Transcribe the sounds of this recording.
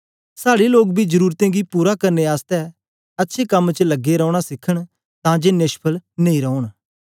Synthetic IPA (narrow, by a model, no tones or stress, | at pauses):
saːɽeloːk̚bʱid͡ʒəɾuːɾt̪ẽɡipuːɾakɐɾneaːst̪ɛ | ɐtːʃʰekɐmːt͡ʃəlɐɡːeɾɔ̃ːɽ̃asɪkʰəɽ̃ | t̪ãd͡ʒeneːʃpʰəlnẽĩɾɔːʊɽ̃